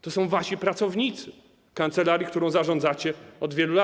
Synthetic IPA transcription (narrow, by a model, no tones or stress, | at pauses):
t̪ɔsɔ̃w̃vaɕipɾat̪sɔvɲit̪sɘ | kant̪sɛlaɾʲjik̚t̪uɾɔ̃w̃zaʐɔ̃nd̪zat͡ɕɛɔd̪vʲjɛlula